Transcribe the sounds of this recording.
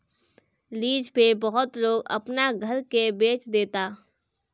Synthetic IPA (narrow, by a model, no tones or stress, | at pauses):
liːd͡ʒpebɐɦʊt̪loːɡɐ̰pnaɡʱəɾkebeːt͡ʃd̪eːt̪aː